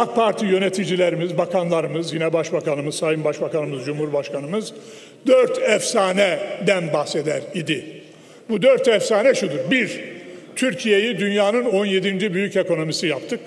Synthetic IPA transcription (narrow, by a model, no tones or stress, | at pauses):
ak̚pʰaɾt̪ʰijø̞net̪ʰid͡ʒilʲeɾimizbakʰanlˠaɾɯmɯzjinɛbaʃbakanɯmɯzsajɯmbaʃbakanɯmɯzd͡ʒumhuɾbaʃkʰanɯmɯz | d̪øɾt̪ʰɛfsaːnɛd̪ænbaxse̞d̪æɾid̪i | bud̪øɾt̪ɛfsaːnɛʃud̪uɾbiɾt̪ʰyɾcʰije̞jid̪ynjaːnɯno̞nje̞d̪ind͡ʒibyjyce̞ko̞no̞misijap̚t̪ʰɯk